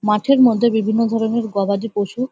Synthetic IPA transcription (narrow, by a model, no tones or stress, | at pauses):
maʈʰeɾmod̪ʱːebibʱinːod̪ʱɔɾoneɾɡɔbad̪ipoʃu